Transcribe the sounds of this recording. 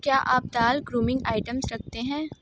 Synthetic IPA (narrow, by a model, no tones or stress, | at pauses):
kjaːʔaːp̚d̪aːlɡɾuːmɪ̃ŋɡaːɪʈəmsɾɐk̚ʰt̪eɦɛ̃ː